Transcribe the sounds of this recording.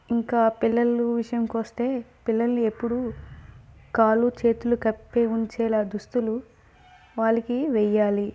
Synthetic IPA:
iŋkaːpilːɐlːuʋiʂɐjɐmkʋɐst̪e̞ːpilːɐlnie̞pːuɽu | kaːlut͡ʃeːt̪ulukɐpːeːuɲt͡ʃɛːlaːd̪ust̪ulu | ʋaːɭːɐkiʋɛjaːli

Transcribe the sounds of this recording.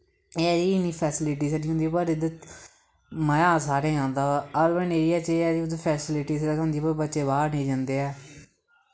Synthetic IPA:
eːɛiːniːpʰɛːsɪlɪʈ̬iːsaɾiːɦʊ̃nd̪iːpəɾɪd̪ət̪ | məjaːsaːɾeːãːnd̪aːəlbəneːɾɪjaːt͡ʃeːɛːd̪iʊd̪pʰɛːsɪlɪʈiːsd̪kɦõnd̪iːpəɾbətːʃeːβaːɾnẽːd͡ʒãːnd̪eːɛː

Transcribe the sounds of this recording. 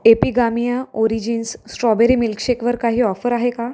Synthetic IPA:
epiɡamijãoɾid͡ʑinsːʈɾɔbeɾiːmilkɕekʋəɾkaɦiːɔfəɾaɦeka

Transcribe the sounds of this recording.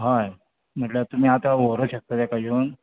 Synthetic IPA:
ɦaj | m̤əʈlat̪um̤iːat̪aʋoɾəɕək̚t̪at̪jakaɦiun

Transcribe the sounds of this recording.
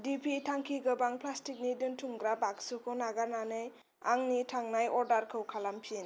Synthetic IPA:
dipʰitʰaŋkʰiɡɯbaŋpʰlastik̚nidɯntʰuŋɡɾabaksukʰɯnaɡananɯj | aŋnitʰaŋnajʔɔɾdaɾkʰɯwkʰalampʰien

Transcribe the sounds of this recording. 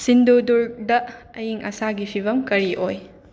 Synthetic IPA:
sinduduɾdɐ | ɐjiŋʔɐ̰saɡipʰibɐmkɐɾiʔoj

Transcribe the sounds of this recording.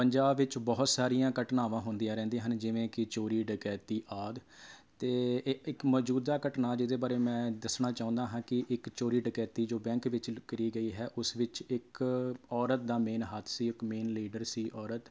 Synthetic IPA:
pəɲd͡ʒaːbʋɪt͡ʃbɔːʊt̪saːɾijãːkəʈnaːʋãːɦʊnd̪ijãːɾɛ̃ːnd̪eːɦənd͡ʒɪʋẽːkɪt͡ʃoːɾiːɖɪkɛːt̪iːʔaːd̪ | t̪eːɪkmɔːd͡ʒuːd̪aːkəʈnaːd͡ʒɪd̪eːbaːɾeːmɛ̃ːd̪əsnaːt͡ʃaːʊ̃nd̪aːɦãːkɪʔɪkt͡ʃoːɾiːɖɪkɛːt̪iːd͡ʒoːbɛ̃ːŋkʋɪt͡ʃkəɾiːɡəiːɦɛːʔʊsʋɪt͡ʃɪkɔːɾət̪̚d̪aːmeːnɦət̪ʰsiːɪkmeːnliːɖəɾsiːʔɔːɾət̪

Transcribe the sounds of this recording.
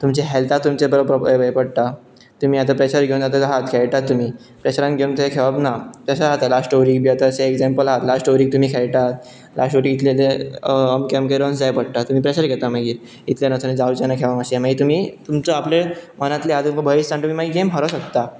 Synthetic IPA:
t̪umt͡ɕeɦɛlt̪at̪ːumt͡ɕebəɾəpɾəbəjpəɽt̪a | t̪um̤iːat̪apɾeɕəɾɡʱeũnd͡zat̪ad͡zaɦat̪̚kʰeɭʈ̪at̪ːum̤iː | pɾeɕəɾãnɡʱeunt̪ʰɦekʰeʋabnapɾeɕəɾat̪alasʈoɾiːk̚biat̪aːseekd͡zempəlaɦat̪lasʈoɾiːk̚t̪um̤iːkʰeɭʈ̪at̪̚ | lʔa̰sʈoɾikit̪ʰleleəmkemkəɾonsd͡zajpəɽʈ̪at̪um̤iːpɾeɕəɾɡʱɛt̪amaɡiːɾ | it̪ljanət͡sʰaned͡zaut͡ɕanakʰeʋaməɕiamaɡit̪um̤iːt̪umt͡səaplemənat̪lead̪umkəbʱəist̪ʰãɳʈ̪um̤iːmaɡiɡembʱəɾəɕəkt̪a

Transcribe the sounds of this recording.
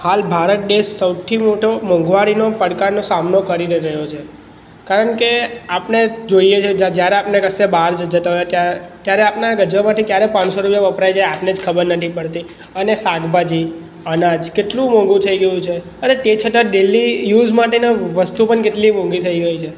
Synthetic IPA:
halbʱaɾət̪̚deʃːəwt̪ʰimoʈomɔ̃ŋɡʋaɾinopəɽkanosamnokəɾiɾəɾəɦjot͡ʃʰe | kaɾəɳkeapned͡ʒoijet͡ʃʰed͡ʒad͡ʒjaɾeapnekəsebaɾd͡ʒd͡ʒət̪aɦojat̪jat̪jaɾeapnaɡəd͡ʒʋəmãt̪ʰikjaɾepãnsoɾupjaʋəpɾajd͡ʒaeapned͡ʒkʰəbəɾnət̪ʰipəɽt̪i | ənesaɡbad͡ʒi | ənad͡ʒkeʈlũmɔ̃ŋɡũt̪ʰəiɡəjũt͡ʃʰe | ənet̪et͡ʃʰəʈəɖelːijud͡ʒmaʈenaʋəst̪upəɳkeʈlimɔ̃ŋɡit̪ʰəiɡəit͡ʃʰe

